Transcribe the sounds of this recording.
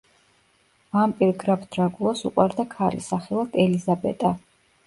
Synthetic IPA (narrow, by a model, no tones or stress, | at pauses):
vampʼiɾɡɾapd̪̥ɾaɡulˠasṵqʼwaɾd̪akʰalḭsaχɛlˠad̪̥ɛlizabɛ̰t̪ʼa